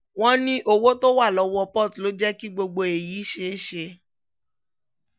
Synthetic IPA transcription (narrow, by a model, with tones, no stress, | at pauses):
w̃ɔ̃˦nĩ˦ʔo˧wo˦to˦wa˦˨lɔ˨˧wɔ˧pɔ˦˨tlo˨˦d͡ʒɛ˦ki˦ɡ͡bo˧ɡ͡bo˧e˨jiː˨˦ʃe˧˦e˦ʃe˧